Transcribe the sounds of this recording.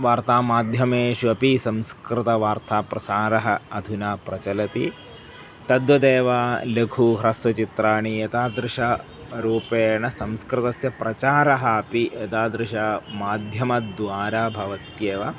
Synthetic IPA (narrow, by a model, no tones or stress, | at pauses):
ʋaːɾt̪aːmaːd̪ʱjɐmeːʃuɐpisɐmskɾɪt̪ɐʋaːɾt̪ʰaːpɾɐsaːɾɐɦɐɐd̪ʱunaːpɾɐt͡ʃɐlɐt̪i | t̪ɐd̪ʋɐd̪eːʋaːlekʰuɦɾɐsʋɐt͡ʃit̪ɾaːɳijɐt̪aːd̪ɾɪʃɐ | ɾuːpeːɳɐsɐmskɾɪt̪ɐsjɐpɾɐt͡ʃaːɾɐɦɐɐpiɐt̪aːd̪ɾɪʃɐmaːd̪ʱjɐmɐd̪ʋaːɾaːbʱɐʋɐt̪jeːʋɐ